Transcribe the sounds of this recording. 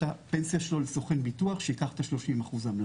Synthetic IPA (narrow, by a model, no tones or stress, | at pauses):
ape̞nsjaʃeloleso̞χenbituaχʃeikaχt̪aʃlo̞ʃimaχuzaml